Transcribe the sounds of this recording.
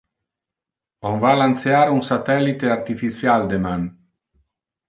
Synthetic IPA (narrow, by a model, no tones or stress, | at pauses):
onvalant̪seaɾunsat̪ɛlːit̪eart̪ifit̪sjald̪eman